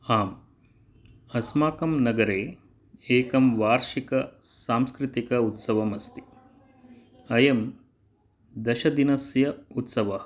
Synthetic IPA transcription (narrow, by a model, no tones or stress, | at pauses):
aːm | ɐsmaːkɐmnɐɡɐɾeː | eːkɐmʋaːɾʃikɐsaːmskɾit̪ikɐut̪sɐʋɐmɐst̪i̥ | ɐjɐm | d̪ɐʃɐd̪inɐsjɐut̪sɐʋɐ